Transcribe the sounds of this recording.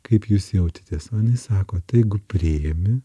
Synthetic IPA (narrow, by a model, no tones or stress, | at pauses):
kɐɪpjuːsjɛʊt̪ʲɪ̥t̪ʲeːsɐːnʲɪsɑːkoːt̪ɐɪɡʊpʲɾʲɪemʲɪ